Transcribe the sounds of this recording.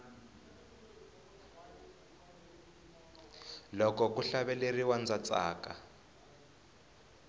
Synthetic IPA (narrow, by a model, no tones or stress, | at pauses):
lɔkɔkuɬaβɛleriwand͡zat͡sʼa̰ːka